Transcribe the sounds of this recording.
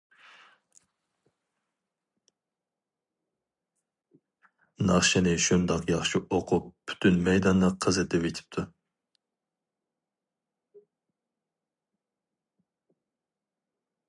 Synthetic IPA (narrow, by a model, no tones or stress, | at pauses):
nɑχʃɪnɪʃund̪ɑqjɑχʃiʔoqʰʊp̚ːʰy̥t̪ʰynmɛjd̪ɑnlɨqʰːɑzɛt̪ɛvet̪ʰɪ̥p̚t̪ʰu